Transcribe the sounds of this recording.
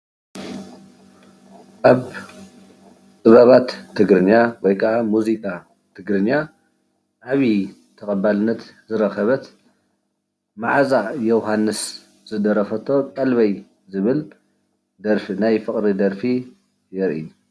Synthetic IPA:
kaβ | t̪ʼɨβɐβat̪ʰːɨɡɾɨnːawɔjkʰɐʔamuzikʼa | t̪ʰɨɡɾɨnːa | ʔaβi | t̪ʰɐkʼɐbalɨnːɐt̪zɨɾɐxɐβɐt̪ | maʕazajɛwɦanːɨs | z̥ɨd̪ɐɾɐfɐt̪ʰo̞kʼɐlβɐj | zɨβɨl | d̪ɐɾfinajfɨχʼɾid̪ɐɾfi | jɛɾʔḭju

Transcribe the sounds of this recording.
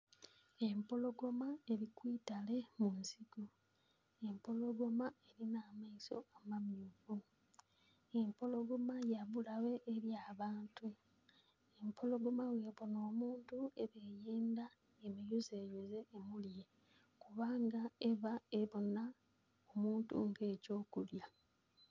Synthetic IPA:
e̞mpo̞lo̞ɡo̞mae̞ɾikwiːtale̞munsiɡu | e̞mpo̞lo̞ɡo̞mae̞ɾinaːmaiso̞̰amamjuvu | e̞mpo̞lo̞ɡo̞majaβulawe̞ʔːɾjaːβaːntu | empʰo̞lo̞ɡo̞mawe̞ːβo̞noːmuːntueβe̞ːjeːnda | emijuzeːjeze̞ʔːmulje̞ | kuβaːŋɡae̞βae̞βo̞na | omuːntṵŋɡe̞ːco̞ːkulja

